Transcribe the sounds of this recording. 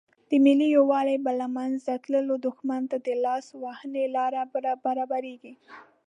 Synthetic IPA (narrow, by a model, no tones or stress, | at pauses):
d̪̥əmɪlijowɑlebəlamanzd̪at̪ləlod̪ʊxmant̪ad̪əlɑswahənelɑɾabəɾabaɾɑbaɾeɡi